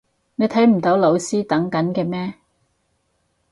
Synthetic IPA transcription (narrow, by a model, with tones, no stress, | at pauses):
ne˨˧jt̪ʰɐ˨˥jm̩˨˩t̪o˨˥wlo˨˧wsiː˥t̪ɐ˨˥ŋkɐ˨˥nkɛː˧mɛː˥